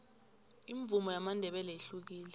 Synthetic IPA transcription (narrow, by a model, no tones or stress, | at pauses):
iɱvʱumɔjamandʱɛɓɛlɛeɬuk̬iːlɛ